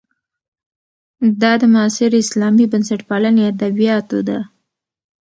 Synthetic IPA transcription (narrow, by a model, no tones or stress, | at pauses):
d̪ɑd̪əmɑsɪɾɪslɑmibənsaʈpɑlanead̪abijɑt̪od̪a